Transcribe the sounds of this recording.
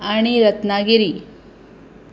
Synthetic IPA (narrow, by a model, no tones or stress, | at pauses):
aɳ̃iɾɐt̪naɡiɾi